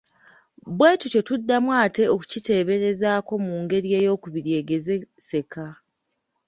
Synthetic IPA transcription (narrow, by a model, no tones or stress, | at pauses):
bwe̞ːtuco̞tudːamwaːte̞o̞ku̥cite̞ːβe̞ɾe̞zaːko̞muːŋɡe̞ɾie̞ːjo̞ːkuβiɾje̞ːɡe̞ze̞ | se̞ka